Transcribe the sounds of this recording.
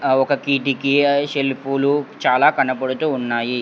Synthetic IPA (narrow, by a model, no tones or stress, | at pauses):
ɔkɐkiːʈikiʃelpulut͡ʃaːlaːkɐnɐpɐɽut̪uːunːaːji